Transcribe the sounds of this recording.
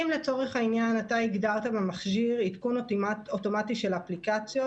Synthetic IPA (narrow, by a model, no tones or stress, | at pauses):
imle̞t͡so̞ʁe̞χainjanataiɡdaʁt̪abemaχʃiʁitkunoto̞matiʃe̞laplikat͡sjo